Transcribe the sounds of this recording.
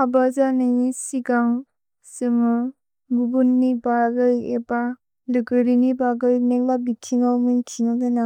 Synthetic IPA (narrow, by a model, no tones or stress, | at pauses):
abazaneŋisiɡaŋ | sɯmɯ | ɡubunːibaɡɯjeba | lɯɡɯɾinibaɡɯjnek̚labitʰiŋawmɯnkʰiŋadana